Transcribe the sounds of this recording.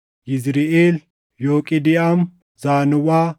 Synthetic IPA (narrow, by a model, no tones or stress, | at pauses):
jɪzɾɪeːl | joːkʼɪd̪ɪʔɐm | z̥aːnʊwaː